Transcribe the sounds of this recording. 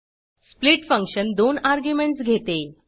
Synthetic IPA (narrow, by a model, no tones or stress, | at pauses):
spliʈfə̃ŋkʂənd̪onaɾɡjumeɳʈsɡʱet̪e